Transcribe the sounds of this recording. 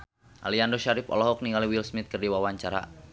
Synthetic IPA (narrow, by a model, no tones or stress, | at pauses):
ʔa̰liandoʃaɾɪpɔ̰lɔɦɔk̚niŋaliwilsmɪt̪̚kərdiwawaɲt͡ʃaɾa̰